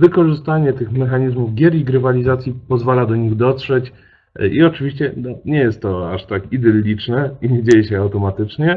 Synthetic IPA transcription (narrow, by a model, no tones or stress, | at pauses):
vɘkɔʐɘst̪aɲɛt̪ɘxmɛxaɲizmuvɡʲjɛɾiɡɾɘvalʲizat̪sʲjipɔzvalad̪ɔɲiɣd̪ɔt̪ʂɛt͡ɕ | iɔt͡ʂɘvʲiɕt͡ɕɛnɔɲɛjɛst̪ːɔaʂt̪akid̪ɛlʲːit͡ʂnɛiɲed͡ʑejɛɕɛawt̪ɔmat̪ɘt͡ʂɲɛ